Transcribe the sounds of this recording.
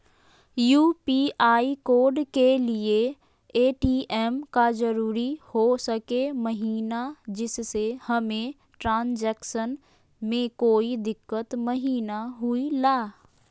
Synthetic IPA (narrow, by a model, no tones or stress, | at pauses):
juːpiʔaːikoːɾɖkelie | eːʈiːʔɛmkad͡ʒəɾuːɾihosəkeməɦiːnad͡ʒɪsːehɐmẽ | ʈɾãːnd͡ʒɛːkʃən | mẽkoːid̪ɪkːət̪məɦiːnaɦʊilaː